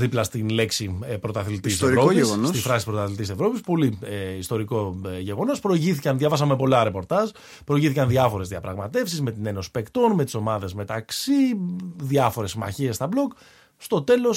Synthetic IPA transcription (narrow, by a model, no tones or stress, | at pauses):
ðiplɐst̪inle̞ksipɾo̞t̪ɐθilit̪iseɾvɾoieɣonosst̪ifɾɐsispɾot̪ɐθilit̪isevɾo̞pispo̞liist̪o̞ɾiko̞ʝe̞ɣo̞no̞spɾo̞iʝiθicɐnðʝɐvɐsɐmepo̞lɐɾe̞po̞ɾt̪ɐz | pɾo̞iʝiθikɐnðʝɐfo̞ɾe̞zðiɐpɾɐɣmɐt̪e̞fsizme̞t̪ine̞no̞si̥pe̞kt̪o̞nme̞t̪iso̞mɐðe̞zmet̪ɐksiðɐfo̞ɾe̞simɐ̰çie̞st̪ɐblok | st̪o̞t̪e̞lo̞s